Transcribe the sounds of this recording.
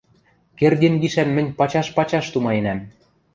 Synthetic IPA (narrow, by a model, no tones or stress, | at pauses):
kerd̪ʲenɡiʃænmə̆nʲpɑt͡ɕɑʃpɑt͡ɕɑʃt̪umɑenæm